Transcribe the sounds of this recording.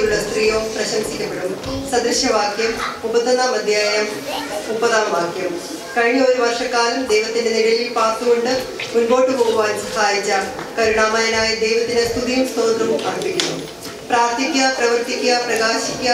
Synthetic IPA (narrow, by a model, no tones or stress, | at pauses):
juɭːɐst̪rijoːumprɐɕɐmsikʲːɐpːeɽumsɐd̪ɾɨɕjɐʋaːkʰjɐmubɐd̪ɐnaːmɐd̪ʱjaːjɐm | upːɐðaːʋaːkʰjɐm | kɐɻɳioːðiʋɐrʂɐkːaːlumd̪e̞jʋɐt̪ːinde̞niɽɐlilpaːrt̪uɣo̞ɳɖɨ | munbo̞ːʈːɨpoːɣuʋaːnsɐhaːjit͡ɕːa | kɐɾuɽaːmaːjɐnaːjid̪e̞jʋɐt̪ːinest̪ʰuðijumst̪o̞ːnd̪rɐʋumkaːɳɐpːikʲːunːu | praːrt̪ʰikʲːɐprɐʋɐrt̪ikʲːɐprɐɡaːɕikʲːɐ